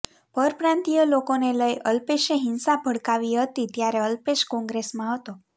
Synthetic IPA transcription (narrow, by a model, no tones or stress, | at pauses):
pəɾpɾãnt̪ijəlokoneləjʔəlpeʃeɦɪnsabʱəɽkaʋiɦət̪it̪jaɾeəlpeʃkɔ̃ŋɡɾesmãɦət̪o